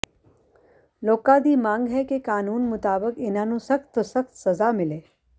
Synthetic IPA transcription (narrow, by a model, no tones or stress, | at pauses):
loːkad̪iːmãːŋɡɦɛkekaːnuːnmʊt̪aːbəkɪnãnũsɐxt̪osɐxt̪sɐzamɪleː